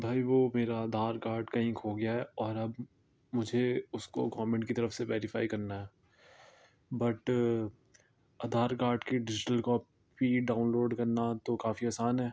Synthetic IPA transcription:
bʱaːiʋoːmeːɾaːd̪ʱaːɾkaːɾɖkɐɦĩkʰoɡɪjaɦɛɔːɾɐb | mʊd͡ʒʱeʊskoɡaːʋmẽɳʈkit̪ɐɾəfseʋɛːɾɪfaːikɐɾnaɦɛː | bɐʈ | ɐd̪ʱaːɾkaːɾɖkeɖɪd͡ʒɪʈəlkɔːp | biɖaːʊnloːɖkɐɾnat̪okaːfiaːsaːnɦɛː

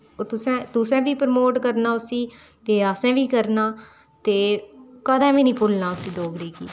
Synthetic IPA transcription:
ot̪ʊsɛ̃ːt̪ʊsɛ̃ːbiːpɾmoːʈkəɾnaːʊsiːt̪eːasɛ̃ːʋiːkəɾnaː | t̪eːkəd̪ãːʋĩːnĩːpʊlnaːʊsiːɖoːɡɾiːkḭː

